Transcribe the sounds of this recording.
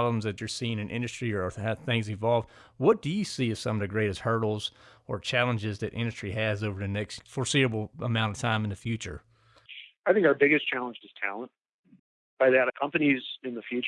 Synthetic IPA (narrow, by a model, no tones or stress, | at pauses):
blə̃mzðɨt͡ʃə˞siɪ̃ŋɨ̃nʔɪ̰̃ndɨstɹ̥iəəθɪ̃ŋzɨ̃nvɑlˠvd̚ | wʌt̚d̥ɨjɨsiɨz̥sʌ̃mʌvðɨɡɹeɪɾɨst̚hɜ˞ɾl̩ˠzə˞t͡ʃʰælˠə̃nd͡ʒɪzðɨɾʔɪ̰̃ndɨstɹ̥iɨzoʊvə˞ðɨnɛkstfə˞siɾɨbl̩ˠəmãʊ̃ñʌv̥tʰãɪ̃mn̩ðɨfjʉt͡ʃə̰˞ | aɪθɪ̃ŋkaʊə˞bɪɡɨst͡ʃʰælˠə̃nd͡ʒɨz̥tʰæ̰lˠə̃n̚ | b̥aɪðɨɾkʰʌ̃mpɨnizɨ̃nðɨfjʉt͡ʃ